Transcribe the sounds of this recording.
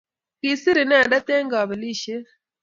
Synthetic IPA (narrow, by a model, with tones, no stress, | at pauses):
ki˨si˦ɾi˨nɛ˦˨da˦t̪e˦ŋɡɔ˨bɛ˨li˦ʃe˦